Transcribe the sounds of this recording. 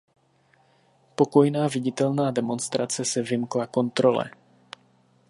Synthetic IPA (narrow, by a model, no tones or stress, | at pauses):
po̞ko̞jnaːvɪɟɪt̪ɛlnaːdɛmo̞nst̪ɾat͡sɛsɛvɪmklako̞nt̪ɾo̞lɛ̰